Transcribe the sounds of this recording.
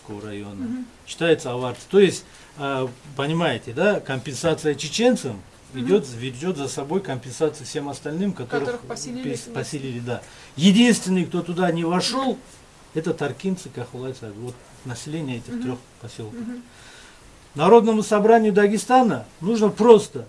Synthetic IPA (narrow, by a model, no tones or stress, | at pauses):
kovəɾɐjo̞nə | ɕːɪ̥t̪ajɪt̪səɐvart̪ɨ̥t̪o̞jɪsʲtʲː | pənʲɪmajɪtʲɪd̪akɐmʲpʲɪnsat̪sɨjət͡ʃɪt͡ɕe̞nt̪səm | ɪdʲo̞t̪vʲɪɾdʲo̞t̪zɐsɐbo̞jkəmʲpʲɪnsat̪sɨjəfsʲe̞mɐst̪ɐlʲnɨmkɐt̪o̞ɾɨ | pɐsʲɪlʲilʲɪd̪a | jɪdʲinst̪vʲɪnːɨjk̚t̪o̞t̪ʊd̪anʲɪvɐʂo̞lˠ | ɛt̪ət̪ɐrkʲint̪sɨkaχʊlˠajt̪sad̪ɨvo̞t̪ | nɐsʲɪlʲenʲɪjəɛtʲɪχt̪ɾʲo̞χpɐsʲolˠkə | nɐɾo̞d̪nəmʊsɐbɾanʲɪjʊd̪ɐɡʲɪst̪anənuʐnəpɾo̞st̪ə